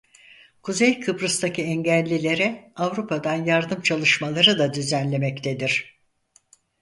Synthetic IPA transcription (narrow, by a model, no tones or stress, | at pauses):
kʰuzejkʰɯbɾɯst̪ʰacʰiɛɲɟælʲːilʲe̞ɾɛavɾupʰad̪anjaɾd̪ɯmt͡ʃʰalˠɯʃmalˠaɾɯd̪ad̪yzænlʲe̞mɛct̪ʰe̞d̪iɾ̥